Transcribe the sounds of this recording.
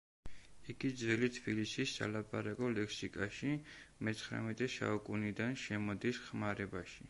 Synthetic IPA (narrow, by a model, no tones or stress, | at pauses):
iɡid̪zvɛlit̪ʰbilisisːa̰lapʼaɾakʼɔlɛksikʼaʃimɛt̪sʰχɾa̰mɛt̪ʼɛsa̰ukʼunid̪anʃɛmɔd̪isχmaɾɛbaʃi